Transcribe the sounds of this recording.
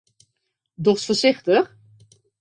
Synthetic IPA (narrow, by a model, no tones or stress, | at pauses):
dɔχsfəsɪxtəx